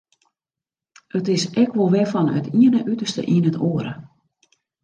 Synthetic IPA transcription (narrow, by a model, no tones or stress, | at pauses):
ətɪsɛkʋolˠʋɛfɔnə̰tʰiənəʔytərstə̰ʔinətʰoəɾə̰